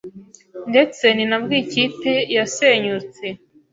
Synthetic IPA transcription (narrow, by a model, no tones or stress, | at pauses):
nde̞t͡se̞ninabɡiːcitejaseɲut͡se